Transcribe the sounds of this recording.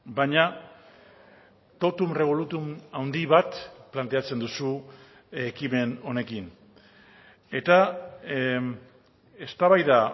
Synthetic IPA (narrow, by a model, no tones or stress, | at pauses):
baɲa | t̪o̞t̪umre̞β̞o̞lut̪umawnd̪iβat̪plant̪e̞at͡se̞nd̪usu | ekime̞no̞ne̞kin | e̞t̪a | e̞st̪aβajða